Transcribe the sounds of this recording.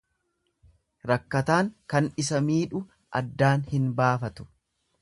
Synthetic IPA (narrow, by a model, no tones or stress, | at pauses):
ɾɐkːɐt̪aːŋkɐnɪs̬ɐmiːᶑʊ | ʔɐ̰d̪ːaːnhɪnbaːfɐt̪ʊ̥